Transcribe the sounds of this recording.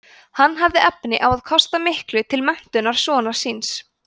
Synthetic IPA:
hanːɦavðɪʔɛpnɪʔawaðkʰɔst̪amɪhklʏt̪ʰɪlmɛn̥t̪ʏnaɾ̥sɔːnḁsins

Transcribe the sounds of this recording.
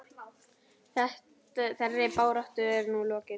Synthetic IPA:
θɛht̪ | θɛrːɪpaːwɾaht̪ʏɛɾnulɔːcɪ

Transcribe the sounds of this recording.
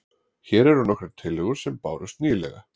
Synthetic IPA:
çɛːɾɛɾ̥hunːɔkɾɛɾ̥t̪ʰɪlːɪɣʏɾ̥sɛmpa̰ːwɾʏst̪niːlɛ̰ɣa

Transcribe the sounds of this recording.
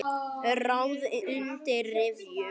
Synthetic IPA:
rawðʏnt̪ɪrɪv

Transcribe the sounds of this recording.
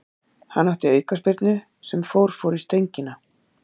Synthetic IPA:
hanːaft̪ɪœːɥkaspɪɾt̪nʏ | sɛmfoːwɾ̥fɔwɾist̪ejɲcɪna

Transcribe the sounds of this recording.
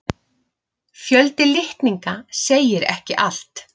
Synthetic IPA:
fjœlt̪ɪlɪht̪niŋkaseːjɪɾɛ̰hcɪʔal̥t̪

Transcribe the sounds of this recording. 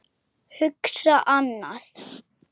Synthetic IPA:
hʏksaʔanːað̥

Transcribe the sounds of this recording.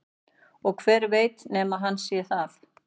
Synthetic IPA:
ɔɣkʰvɛːɾveːjt̪nɛːmaɦanːsjɛ̥θal̥

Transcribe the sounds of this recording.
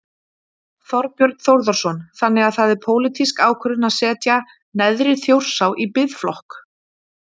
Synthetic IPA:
θɔɾpjœɾt̪θowɾðɔɾ̥sɔnθanːɪɣaðθaðɛɾ̥pʰoːwlit̪ʰiskaːwkʰœɾðɪnaðsɛːt̪ja | nɛðɾɪθjowr̥sawʔipɪðflɔhk

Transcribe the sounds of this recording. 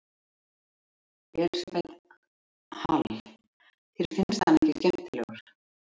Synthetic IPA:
vɛlsvet̪ | ha̰l | θi̥fɪnst̪aniŋcɪscɛm̥t̪ɪlɛ̰ɣʏɾ̥

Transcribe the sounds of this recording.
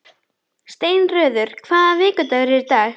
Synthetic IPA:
st̪eːjnrœːðʏɾ̥kʰvaːðavɪːkʏt̪aɾɛɾt̪a

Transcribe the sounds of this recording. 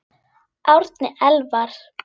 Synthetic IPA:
ʔawɾt̪nɪʔɛlvaɾ̥

